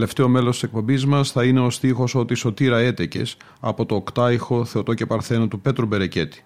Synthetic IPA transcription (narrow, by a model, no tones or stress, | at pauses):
le̞ft̪e̞o̞me̞lost̪isek̚po̞mbizmɐsθɐine̞o̞st̪ixo̞so̞t̪iso̞t̪iɾɐe̞t̪ece̞̰s | ɐ̰po̞t̪o̞ːkt̪ɐixo̞θeot̪o̞ce̞pɐɾθe̞not̪upe̞t̪ɾube̞ɾe̞ce̞t̪i̥